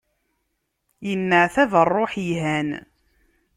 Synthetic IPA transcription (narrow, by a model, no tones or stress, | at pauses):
jənːəʕθæðərˤːoħjhæn